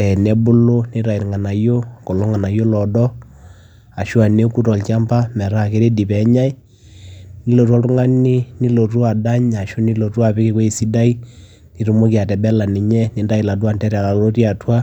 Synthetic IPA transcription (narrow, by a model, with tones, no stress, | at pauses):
ɛ˨nɛ˦bʊ˦lo˦nɪ˦ta˨i˨ɾŋa˨na˨jo˦ko˨lo˦ŋa˨na˨jo˦lɔ˨dɔ˦ | a˨ʃu˦a˨ne˦ku˦tɔ˨lt͡ʃa˦mba˦mɛ˨ɾa˦˨ke˦ɾe˦di˨pɛ˨˦ɲa˦i˦ | ni˦lo˨tu˦a˦tʊ˦ŋa˦ni˦ni˦lo˨tu˦a˨da˦ɲa˨ʃu˦ni˦lo˨tu˦a˨pɪ˦kɪ˦ko˦i˨si˦da˦i˦ | ni˨˦ɾu˨˦mo˦ki˨a˨tɛ˨bɛ˦la˨nɪ˨ɲɛ˦ni˦nda˦i˨la˨twa˨ntɛ˦ɾɛ˨a˨la˨lo˦ti˦a˨twa˦